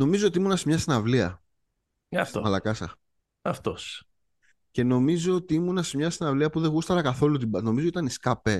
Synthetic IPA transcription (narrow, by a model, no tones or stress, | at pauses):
no̞mizo̞ot̪imunɐsemɲɐsinɐvliɐ̰ | ɐft̪omɐlɐkɐsɐ̰ | ɐft̪os | ce̞no̞mizo̞ot̪iimunɐsemɲɐsinɐvliɐpuðeɣust̪ɐɾɐkɐθo̞lut̪̬ibɐno̞mizot̪it̪ɐniskɐpe